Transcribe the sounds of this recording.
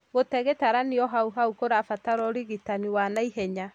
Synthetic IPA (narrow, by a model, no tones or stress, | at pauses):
ɣotɛɣetaɾaniɔɦauɦaukoɾafataɾɔɾiɣitaniwanaiɦɛɲa